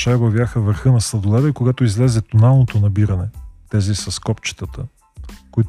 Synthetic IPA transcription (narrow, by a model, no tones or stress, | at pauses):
ʃabɐvʲjaxəvəɾxɤnɐslˠɐd̪olˠɛd̪ɛkoɡat̪oizlɛzɛt̪onalˠnot̪onɐbiɾɐnɛt̪ɛzisɐskɔpt͡ʃi̥t̪ət̪ə | koit̪